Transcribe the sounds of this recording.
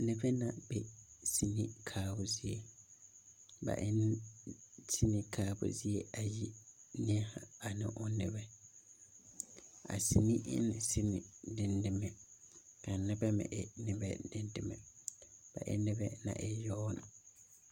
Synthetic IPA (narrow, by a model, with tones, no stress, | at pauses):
nɪ˦bɛ˦na˨bɛ˦si˨ni˦kʰaː˦bʊ˦zi˦e˦ | ba̰˨ʔɪ˦n˦ | tʰi˦ni˦kʰaː˦bʊ̰˦zi˦e˦ʔa˨ji˦nɪ˦ha˨a˨nɪ̃˦ʔʊ˦nɪ˨bɛ˦ | a̰˨si˨ni˦ʔɪ̰˦n˨sɪ˦nɪ˨dɪ˨ndɪ˨mɛ˨ | kʰa˨nɪ˦bɛ˦mɪ̰̃˨ʔɪ˨nɪ˦bɛ̰˦dɪ˦ndɪ˨mɛ̰˨b̥a̰˨ʔɪ̰˦nɪ˦bɛ˦nã̰˨ʔɪ˦jɔ˦nʊ̰˨